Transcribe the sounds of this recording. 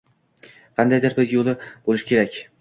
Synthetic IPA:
qʰɑnd̪ajd̪ɪɾbɪzjolˠɪb̥olɪʃkʲʰe̞ɾakʲ

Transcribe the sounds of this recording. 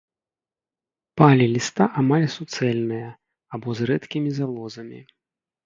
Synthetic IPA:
palʲilʲist̪aʔamalʲsut̪sɛlʲnɨjɐ | abɔzɾɛt̪kʲimʲizalˠɔzɐmʲḭ

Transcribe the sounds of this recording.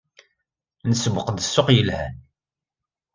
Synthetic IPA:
nəsəbəqd̪əsːoqjəlhæ̰n

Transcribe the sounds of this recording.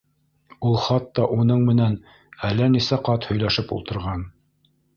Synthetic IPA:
ulˠχɑt̪ːɑʔunɤɴmɘ̆næn | ælːænisæqɑt̪hɵ̆jlæʃɘpṵlˠt̪ɤ̆ɾʁɑn

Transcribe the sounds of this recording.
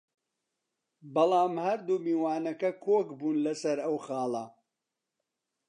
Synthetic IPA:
bɐlˠɑːmhɐɾd̪umiːwaːnɐkɐkʰoːkbuːnlɐsɐɾɐwxɑːlˠɐ̰

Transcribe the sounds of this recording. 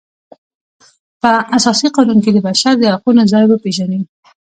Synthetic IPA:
pəasɑsiqɑnunked̪əbaʃaɾd̪əhaqunozɑjbəpeʒani

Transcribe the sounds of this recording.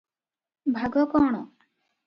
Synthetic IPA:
bʱaɡɔkɔɳ̃ɔ

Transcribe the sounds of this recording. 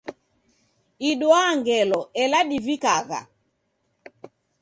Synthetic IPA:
iɗwaŋɡɛlɔɛlaɗivikaɣa̰

